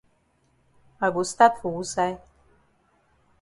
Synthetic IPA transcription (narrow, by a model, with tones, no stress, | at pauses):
a˨ɡust̪a˦t̪fu˨u˦saj